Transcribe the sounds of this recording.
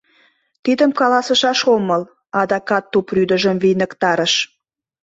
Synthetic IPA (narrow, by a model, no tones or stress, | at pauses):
t̪id̪əmkɑlɑsə̆ʃɑʃoməl | ɑd̪ɑkɑt̪ːupryd̪əʒəmvinəkt̪ɑɾəʃ